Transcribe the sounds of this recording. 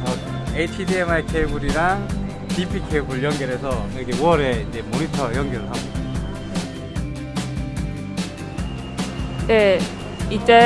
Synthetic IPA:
mʌ | eit͡ɕʰidemaekʰeɡuɾiɾaŋ | pipʰikʰeɡuɭjʌŋɡjʌɾesʰʌʌɡeowʌɾeind͡ʑe̞moɾitʰʌjʌŋɡjʌɾɯɭɦaɡoda | e | it͡ɕ͈a

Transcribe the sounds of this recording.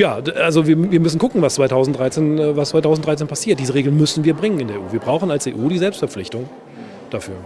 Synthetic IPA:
jaːʔalzoviːɐviːɐmʏsn̩ɡʊkŋ̩vast͡sv̥aɪtʰaʊzn̩td̥ʁaɪt͡seːnɛvastt͡sv̥aɪtʰaʊzn̩d̥ʁaɪt͡s̬eːnpʰasiːɐt̚d̥iːzəʁeːɡlnmʏsn̩viːɐbʁɪŋənɪndeːɐeʔuːviːɐbʁaʊxn̩alseːʔuːdiːzɛlpstfɛɐflɪçtʊŋ | d̥afyːɐ

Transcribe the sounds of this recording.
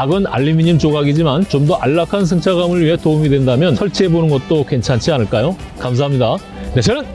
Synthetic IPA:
aɡɯna̰ʎːimiɲimt͡ɕoɡaɡid͡ʑimant͡ɕomdʌʔaɭːakʰans̬ʰeŋt͡ɕʰaɡamɯɭɥiɦe̞toumidwe̞ndamjʌnsʰʌɭt͡ɕʰiɦebonɯnɡʌt̚t͈oke̞nt͡ɕʰant͡ɕʰianɯɭk͈ajo | kamsʰaɦamɲida | nesʰenɯn

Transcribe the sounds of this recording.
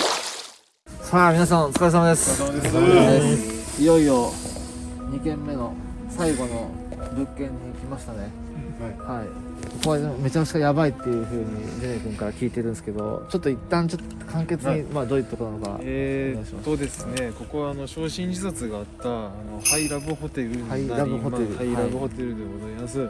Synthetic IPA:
saːmʲinas̬ãɰ̃ot͡sɨ̥kais̬amad̪e̞s | ijo̞io̞ | ɲ̟ikẽ̞mːe̞no̞ | saiɡo̞no̞ | bɯ̟kːẽ̞ɲ̟ːiːkʲimaɕi̥t̪ane̞ | hai | ko̞ko̞βame̞t͡ɕak̟i̥ajabait̪ːe̞jɯ̟ɸɯ̟ːɲ̟ḭdenekɯ̟̃ŋkaɾakʲiːt̪e̞ɾɯ̟nsɨ̥ke̞d̪o̞̰t͡ɕo̞t̪ːo̞it̪ːãɲt͡ɕot̪ː | kʰãŋke̞t͡sɨɲimaːd̪o̞ːi̟t̪ːo̞konanoka̰eɕima̰st̪ːod̪e̞sɨne̞ko̞ko̞βaːno̞ɕo̞ːɕĩɲ̟d͡ʑisat͡sɨɡaːt̪ːaːno̞haiɾabɯ̟ɦo̞t̪eɾɯhaiɾabɯ̟ho̞e̞ɾɯ̟aiaɾaɯhot̪eɾɯ̟d̪eɡozaimasɨ

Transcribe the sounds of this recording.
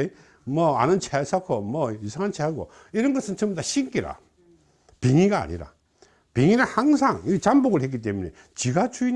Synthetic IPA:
e | mʌa̰nɯnt͡ɕʰesʰakʰomʌisʰaŋant͡ɕʰeaɡo̰ | iɾʌnɡʌsʰɯnt͡ɕʌmbudaɕiŋk͈iɾa̰ | piŋiɡa̰ːɲḭɾa̰ | piŋinɯnhaŋsʰaŋit͡ɕamboɡɯɭhetk̬͈ːit̬͈ːemunḛ | t͡ɕiɡat͡ɕuin

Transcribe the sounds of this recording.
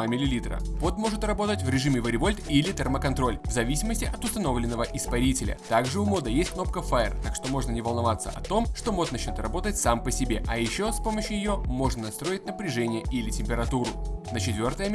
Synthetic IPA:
mʲɪlʲɪlʲit̪ɾə̰po̞t̪mo̞ʐɨt̪rɐbo̞t̪ətʲvɾʲɪʐɨmʲɪvəɾʲɪvo̞lʲt̪ilʲɪt̪ʲɛrməkɐnt̪ɾo̞lʲvzɐvʲisʲɪməsʲtʲɪʔɐt̪ʊst̪ɐno̞vlʲɪnːəvəʔɪspɐɾʲitʲɪlʲə̰t̪aɡʐɨʊmo̞d̪əjesʲt̚ʲkno̞pkəfaɪrt̪akʂt̪o̞mo̞ʐnənʲɪvəlˠnɐvat̪sə̰ʔɐt̪o̞mʂt̪o̞mo̞t̪nɐt͡ɕnʲot̪rɐbo̞t̪ətʲsampəsʲɪbʲe̞ʔɐjɪɕːo̞spo̞məɕːʊjɪjo̞mo̞ʐnənɐst̪ɾo̞jɪtʲnəpɾʲɪʐɛnʲɪjəʔilʲɪtʲɪmʲpʲɪɾɐt̪uɾʊ̰nət͡ɕɪt̪vʲo̞rt̪əjə

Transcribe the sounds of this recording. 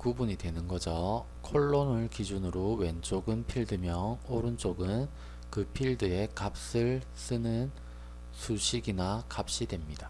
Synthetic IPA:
kubuɲidwe̞nɯnɡʌd͡ʑʌ | kʰoɭːonɯɭkid͡ʑunɯɾowe̞nt͡ɕ͈oɡɯnpʰiɭdɯmjʌŋoɾɯnt͡ɕ͈oɡɯn | kɯpʰiɭdɯe̞kap̚s͈ɯɭ | s͈ɯnɯn | sʰuɕʰiɡinakap̚ɕ͈idwe̞mɲida

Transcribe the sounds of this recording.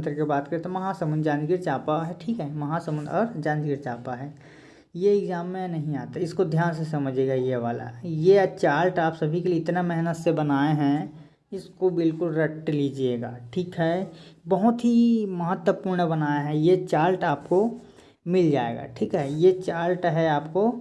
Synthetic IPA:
t̪əɾkebaːt̪kəɾet̪omɐɦãsəmə̃nd̪d͡ʒãːnɡiɾt͡ʃaːpaɦɛʈʰiːkɦɛmɐɦãsəmə̃nd̪ɔːɾd͡ʒãːnɡiɾt͡ʃaːpaɦɛː | jeɪɡzaːmːẽnɐɦĩaːt̪aɪskod̪ʱjaːns̬esɐməd͡ʒʱeɡajeʋaːla̰jet͡ʃaːɾlʈaːpsɐbʱikelieɪt̪namɛɦnət̪sebənaːeɦɛ̃ | ɪskobɪlkʊlɾəʈlid͡ʒieːɡa̰ːʈʰiːkɦɛbəɦʊt̪ɦimɐɦət̪wəpuːɾɳəbənaːjaɦɛ̃jet͡ʃaːɾlʈaːpko | mɪld͡ʒaːḛːɡa̰ːʈʰiːkɦɛjet͡ʃaːlʈɦɛaːpko

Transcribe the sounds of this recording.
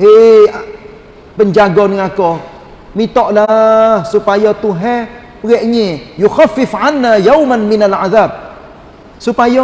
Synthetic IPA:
ea | pəɲd͡ʒaɡɔnŋakɔ | mĩt̪ɔʔlahsupajɔt̪uɦɛ | pəɾɛʔɲejuxafːɪfʕanːajawmanmɪnalaðab̚ | supajɔ

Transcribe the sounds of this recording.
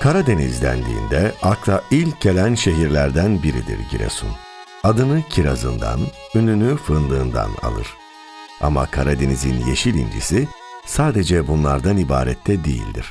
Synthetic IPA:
kʰaɾad̪e̞nizlʲæ̰nd̪ḭːnd̪ɛaklˠailʲc̚ɟe̞lʲænʃe̞ɦiɾlʲæɾd̪ænbiɾid̪ḭɾɟiɾḛsṵn | ad̪ɯnɯcʰiɾazɯ̰nd̪a̰n | ynynyfɯnd̪ɯːnd̪a̰na̰lˠɯ̰ɾ̥ | a̰ma̰kʰaɾad̪e̞nizinjeʃilʲḭnd͡ʒḭsi | saːd̪e̞d͡ʒɛbunlˠaɾd̪anibaːɾɛ̰t̪ʰːɛd̪ejḭlʲd̪iɾ̥

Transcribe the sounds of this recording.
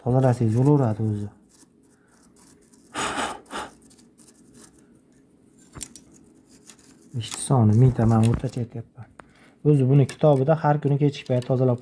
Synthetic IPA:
t̪ʰɒzalasɪzbolˠaʊɾad̪ɪɵzɪ | ɪʃt̪ʰɪ̥sɒnɪmɪnt̪ʰamanoɾt̪ʰat͡ʃʰajet̪ʰajapːman | ɵzɪbʊnɪkʲʰɪ̥t̪ʰɒbɪd̪ahaɾkʊnɪkʲʰe̞t͡ʃʰɪ̥ʃʲpaj̪t̪ʰɒzalap̚

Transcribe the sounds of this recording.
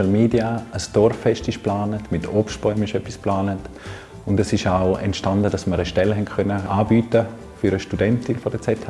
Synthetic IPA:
l̩miːdiaəsd̥ɔɾfɛʃtɪʃplaːnətmɪtʰɔpʃtpɔʏmɪʃœpːisplaːnət | ʊndɛsɪʃaʊɛ̰ntʃtandədɑsməɾəʃtɛlɦɛnkʰœnəaːbyːtə | fyɾəʃtudɛntɪnfɔdət͡sɛtʰa

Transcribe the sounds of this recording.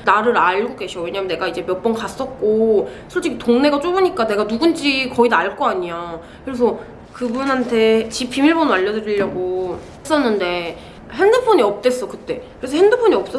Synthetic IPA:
naɾɯɾaɭɡoɡe̞ɕʰjʌwe̞ɲamjne̞ɡaid͡ʑe̞mjʌk̚p͈ʌnkas͈ʌt̚k͈osʰʌɭt͡ɕ͈ikʰtoŋne̞ɡat͡ɕ͈obɯɲik͈ane̞ɡanuɡund͡ʑikʌidaɭk͈oaɲia | kɯɾe̞sʰʌ | kɯbunɦantʰe̞t͡ɕipʰːimiɭbonɯaʎːʌdɯɾiʎːʌɡo | s͈ʌnːɯnde̞ | ɦendɯpʰoɲiʌp̚t͈e̞s͈ʌkɯt͈e̞kɯɾesʰɦendɯpʰoɲiʌp̚s͈ʌ

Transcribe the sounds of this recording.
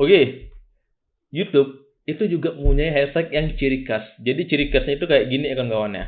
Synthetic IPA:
oke | jut̪up̚ | it̪ud͡ʒuɡaməuɲaiɦasak̪̚jaŋt͡ʃiɾikasd͡ʒadit͡ʃiɾikasɲait̪ukajaʔɡiniakanɡawanja̰

